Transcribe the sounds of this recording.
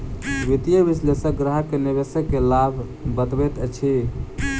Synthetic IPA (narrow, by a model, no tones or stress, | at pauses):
ʋit̪ijəʋislesəɡɾəɦəkːeniβesəkːelabʱ | bət̪bet̪ət͡ʃʰi